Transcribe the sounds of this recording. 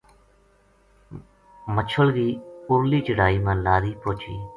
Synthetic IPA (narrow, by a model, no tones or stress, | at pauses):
mət͡ʃʰəlɡiːʊɾliːt͡ʃəɽaːiːmãːnlaːɾiːpoːt͡ʃʰḭː